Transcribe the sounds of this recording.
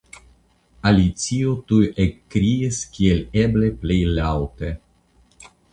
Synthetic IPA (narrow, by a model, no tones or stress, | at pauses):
alit̪siot̪ujekːɾiiskʲielʲebleplejlawt̪e